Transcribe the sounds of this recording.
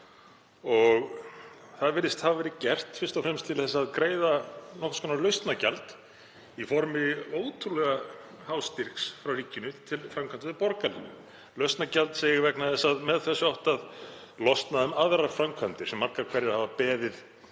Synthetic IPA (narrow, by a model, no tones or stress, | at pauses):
ɔɣ | θaðvɪɾːɪst̪havavɛːɾɪcɛr̥t̪fɪrst̪ɔfɾɛmst̪ʰɪlθɛs̬ːðkɾeːjðanɔhkskʰɔnalœɥst̪nacalt̪ | ifɔɾmɪoːwt̪ʰɾulɛɣa | hawst̪iɾ̥ksfɾawriːcːɪnʏt̪ʰɪlfɾamkʰvant̪ɪðpɔɾkalɪn | lœɥst̪nacalt̪seːjɪɪvɛknaθɛsaðmɛðθɛsːʏɔht̪að | lɔst̪naðʏmaðɾafɾamkʰvant̪ɪɾ̥sɛmːaɾkaɾkʰvɛɾjɪɾhavapɛːðɪð